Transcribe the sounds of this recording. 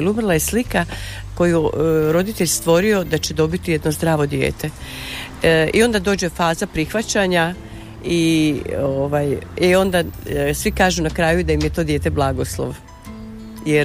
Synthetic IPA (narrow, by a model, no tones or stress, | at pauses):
lumrlˠajeslika | ko̞juɾo̞d̪it̪eʎʲst̪ʋo̞ɾio̞d̪at͡ɕe̞d̪o̞bit̪ije̞d̪no̞zd̪ɾaːʋo̞d̪jḛːt̪e̞ | ḭo̞nd̪ad̪o̞ːd͡ʑe̞faːzapɾixʋat͡ɕaɲa | ioʋaːjio̞nd̪asʋikaːʒunakɾaːjud̪ajimjet̪o̞d̪je̞ːt̪e̞blˠaɡo̞slˠo̰ʋ | jeɾ